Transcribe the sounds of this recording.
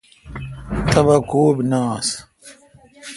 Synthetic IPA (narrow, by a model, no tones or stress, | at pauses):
t̪ʰɐβɐkoːbnaːs